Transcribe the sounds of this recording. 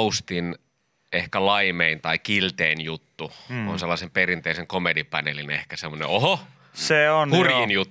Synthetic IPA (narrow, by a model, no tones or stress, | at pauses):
ust̪in | ehkælɑimeint̪ɑikilt̪eːnjut̪ːuo̰nselːɑsemperint̪eiseŋkomedipænelinehkæsemːˑonḛʔoho | seonurjinjut̪ː